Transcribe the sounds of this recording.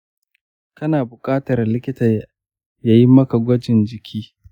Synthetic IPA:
kɐ˦naː˨bʊ˨kʼaː˦tɐ˨rlɪ˦kʲɪ˦tɐ˨ | jaː˦ji˦mɐ˦ka˨ɡʷɐ˦d͡ʒɪ˨nd͡ʒɪ˨kʲʰiː˦

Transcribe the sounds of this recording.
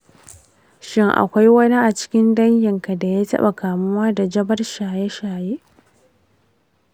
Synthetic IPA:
ʃɪ˦ŋʔa̰˨kʷa˦jwɐ˦ni˦ʔa˨t͡ʃɪ̥˦kʲɪ˦ndɐ˦ɲjɪ˨ŋka˨da˨jaː˦tɐ̰˦ɓa̰˨kaː˨mʊ˦waː˦da˨d͡ʒɐ˦bɐ˦rʃaː˨je˦ʃaː˨je˦ʔ

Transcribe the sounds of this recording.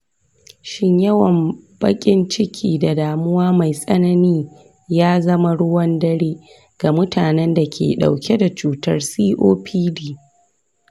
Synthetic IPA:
ʃɪ˦ɲjɐ˦wɐ˨mb̥ɐ̰˦kʲʼɪ˦nt͡ʃɪ˦kʲʰiː˨da˨daː˨mʊ˦waː˦ma˨jsʼɐ˦nɐ˦niː˦ | jaː˦zɐ˦ma˦ɽʊ˦wɐ˦ndɐ˦ɽeː˦ | ɡ̥a˨mʊ˦tʰaː˨nɛ˦nda˨kʲʰḛː˨ɗa̰˨wkʲe˦da˨t͡ʃuː˨tɐ˦rsiː˦ʔoː˦pʰiː˦diː˦˨

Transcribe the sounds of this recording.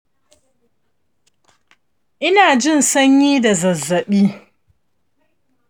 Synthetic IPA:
ʔɪ˦naː˨d͡ʒɪ˦˨nsɐ˦ɲjiː˦da˨zɐ˨zːɐ˨ɓiː˦

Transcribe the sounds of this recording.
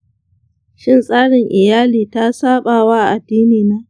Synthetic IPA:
ʃɪ˦nsʼaː˦ɽɪ˨ŋʔɪ˨jaː˦liː˨ta˦saː˦ɓaː˨wa˦ʔa˨ʔa˨dːiː˦niː˨naː˦

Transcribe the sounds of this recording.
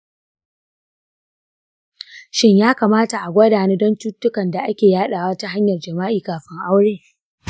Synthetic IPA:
ʃɪ˦ɲjaː˦kaː˨maː˦ta˨ʔa˨ɡʷɐ˦daː˨neː˦dɔ˦ntuː˦tːʊ˦kɐ˨nda˨ʔa˦kʲeː˨jaː˦ɗaː˨wa˦ta˦ɦa˦ɲjɐ˨rd͡ʒɐ˨maː˦ʔiː˨kaː˨ɸɪ˦ŋʔa˦wɽeː˦˨

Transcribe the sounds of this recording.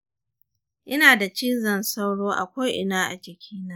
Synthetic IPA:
ʔɪ˦naː˨da˨t͡ʃiː˦zɐ˨nsa˦wɽoː˦ʔa˨kʷa˦ʔɪ˦naː˦ʔa̰˨t͡ʃɪ˨kʲʰiː˦naː˦

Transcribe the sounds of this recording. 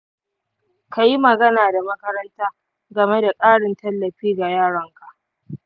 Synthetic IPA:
ka˨ji˦mɐ˨ɡɐ˦naː˨da˨mɐ˦kɐ˦ɾɐ˦ntaː˦ | ɡɐ˨me˦da˨kʼaː˦ɽɪ˨ntɐ˦lːɐ˨ɸiː˦ɡa˨jaː˦˨ɽɐ˦ŋka˨ʔ

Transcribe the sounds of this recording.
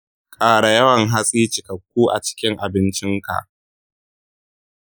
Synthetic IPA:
kʼaː˨ɽa˨jɐ˦wɐ˨ŋɦa˦sʼiː˦t͡ʃɪ˨kɐ˨kʷːuː˦ʔa̰˨t͡ʃɪ̥˦kʲɪ˦ŋʔa˨bɪ˦nt͡ʃɪ˦ŋka̰˨ʔ

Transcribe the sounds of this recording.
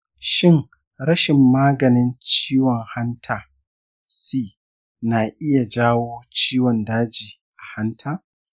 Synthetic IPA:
ʃɪ˦˨ŋ | ɾɐ˦ʃɪ˨mːaː˦ɡɐ˨nɪ˦nt͡ʃiː˦wɔ˨ŋha˦ntʰaː˨ | siː˦ | naː˨ʔɪ˦ja˨d͡ʒaː˦woː˦t͡ʃiː˦wɔ˨ndaː˦d͡ʒiː˨ | ʔa˨ha˦ntʰaː˦

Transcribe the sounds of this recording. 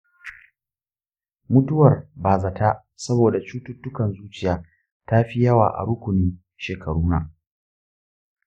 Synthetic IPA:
mʊ˦tʊ˦wɐ˨rbaː˨za˨ta˦ʔ | sɐ˦boː˨da˨t͡ʃuː˦tʊ˦tːʊ˦kɐ˨nzuː˦t͡ʃɪ˦jaː˨˦ | ta˦ɸi˦jɐ˦wa̰ː˨ʔa̰˨ɽʊ˦kʷʊ˨nɪ˦n | ʃeː˨kʰɐ˨ɽuː˦na˨

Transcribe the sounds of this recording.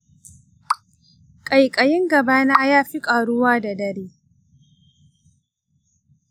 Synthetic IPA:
kʼa˨jkʼɐ˨jɪ˦ŋɡɐ˨baː˦naː˦jaː˦ɸi˦kʼaː˨ɽʊ˦waː˦da˨dɐ˦ɽeː˦

